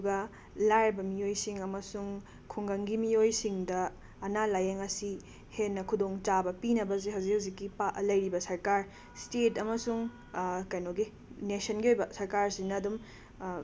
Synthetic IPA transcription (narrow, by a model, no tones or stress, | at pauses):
uɡɐ | lajɾbɐmijojsiŋɐmɐsuŋ | kʰuŋɡɐŋɡimiojsiŋdɐː | nalajeŋɐsi | henːɐkʰudoŋt͡ʃabɐpinɐbɐzeɦɐwzikhɐwzikːipalɐjɾibɐsɐɾkaɾ | stetɐmɐsuŋ | kɐjnoɡi | nesɐnɡiojbɐsɐɾkaɾsinɐːdum